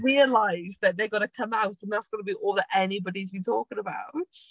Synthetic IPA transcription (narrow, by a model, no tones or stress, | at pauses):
ɹiəlaɪzðəʔ̚ðeɪɡɒɾəkʰʌ̃maʊtə̃nðatsɡ̥ɒnəbiʔɔːlˠðətɛnibɒɾizbĩtʰɔˑkɪ̃ŋəbaʊt